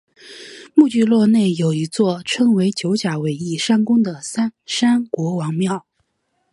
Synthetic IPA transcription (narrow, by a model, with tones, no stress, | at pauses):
mu˥˧t͡ɕy˥˧lwɔ˥˧ne˥˩ɪjo˨˩ʊi˧˥t͡swɔ˥˩ʈ͡ʂʰɤ˥ŋwe˧˥ɪt͡ɕjo˧˥ʊt͡ɕja˨˩we˨˥ɪi˥˩ʂa˥nkʊ˥ŋd̪ə˨sa˥nʂa˥nkwɔ˧˥wɑ˧˥ŋmjɑ˥˩ʊ